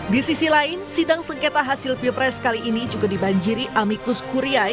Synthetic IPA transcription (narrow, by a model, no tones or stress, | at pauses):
disisilaɪnsidaŋsəŋket̪aɦasɪlfilpɾɛskaliʔːnid͡ʒuɡadibaɲd͡ʒiɾiʔamikʊskuɾia